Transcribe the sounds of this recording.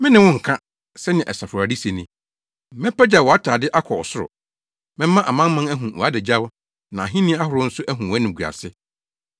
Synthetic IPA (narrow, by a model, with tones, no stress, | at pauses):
mɪ̃˦nɪ̃˦wʊ̃˦ŋ̩˨kʰã˦ | sɛ˦nɪ̃˨ʔɛ˨sa˨fʊ˨ɾa˨di˦se˨nĩ˦ | mɛ̃˦pæ˦d͡ʑa˨wɔ˨a˦tʰaː˨dɪ˦ʔa˦kʰɔ˨ɔ̰˨sʊ˦ɾʊ̰˨ | mɪ̃˦mã˦ʔa˨mã˦mã˦næ˦ɦũ˨wɔ˨a˦dɛ˨d͡ʑa˦w | nã˨a˨ɦĩ˦nɪ̃˦a˦hʊ˨ɾʊ˦n̩˦sʊ˦ʔæ˦ɦũ˨wæ˦nɪ̃˨ɡu˨a̰˨sɪ˦